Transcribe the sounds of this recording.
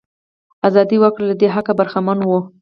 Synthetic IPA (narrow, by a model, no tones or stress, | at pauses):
azɑd̪iwəkɽelad̪eɦakabaɾxamanwu